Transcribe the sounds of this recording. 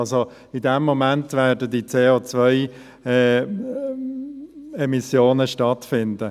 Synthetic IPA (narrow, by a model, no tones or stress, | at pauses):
lso | ɪdɛmːomæntvɛːdədit͡seːot͡svœɪ | ɛː | ɛmisjoːnəʃtɑtfɪndə